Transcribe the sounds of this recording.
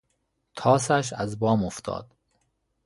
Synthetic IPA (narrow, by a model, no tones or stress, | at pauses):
t̪ʰɒːsæʃ̬æzbɒːmoft̪ʰɒ̰ːd̪̥